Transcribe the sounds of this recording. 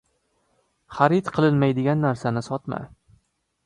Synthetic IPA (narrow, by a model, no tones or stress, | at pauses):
χaɾit̪qʰɨlˠɪnmajd̪ɪɡʲanːaɾsanɪsɒt̪ma̰